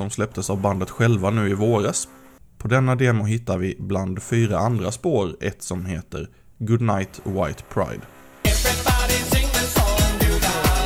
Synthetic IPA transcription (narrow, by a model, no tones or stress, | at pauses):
sɔmslɛp̚t̪ʰəsavband̪ət̪ɧɛlvanʉ̟ːɪvoːɾas | pʰɔd̪ɛnːad̪eːmʊɦɪt̪ːaɾvɪbland̪fyːɾaʔand̪ɾaspoːɾɛ̰t̪sɔmheːt̪ə̰ɾ | ɡʊd̪najt̪ʰwa̰jt̪pʰɾa̰ɪd̪ | ɛvɹɪbɑɾɪsɪ̃ŋt̪əsɔʉ